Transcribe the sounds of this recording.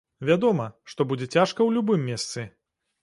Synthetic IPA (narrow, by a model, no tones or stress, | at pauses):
vʲad̪ɔmɐʂt̪ɔbud͡zʲɛt͡sʲaʂkɐwlʲubɨmʲːest̪sɨ